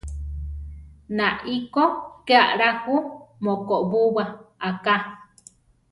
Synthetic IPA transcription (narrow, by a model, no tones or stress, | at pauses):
naʔikokeaʔɾahumokoʔbuwaaka